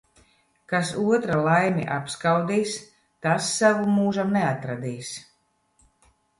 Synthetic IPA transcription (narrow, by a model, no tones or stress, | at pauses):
kasuɔt̪ɾalˠajmʲḭʔapskawd̪iːs | t̪asːavumuːʒamnɛat̪ɾad̪iːs